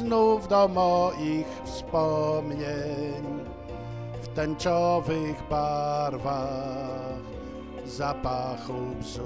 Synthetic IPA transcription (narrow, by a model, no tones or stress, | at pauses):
nuvd̪ɔmɔʔixfspɔmɲeɲ | ft̪ɛɲt͡ɕɔvɘɣbaɾva | x | zapaxubz